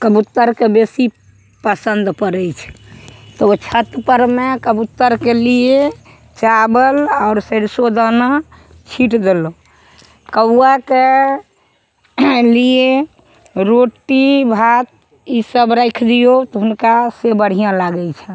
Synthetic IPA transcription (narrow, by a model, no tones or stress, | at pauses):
kəbut̪ːəɾkebesi | pəsənd̪pəɾəjt͡ʃʰɛ̥t̪ɔot͡ʃʰət̪pəɾmekəbut̪ːəɾkelie | t͡ʃabəlaʊɾsəɽsod̪əna | t͡ʃʰiʈd̪elo | kəake | lie | ɾoʈibʱat̪̚ | isəbɾəjkʰd̪ijot̪ɔɦunkasebəɽ̤ijãlaɡɛjt͡ʃʰɛ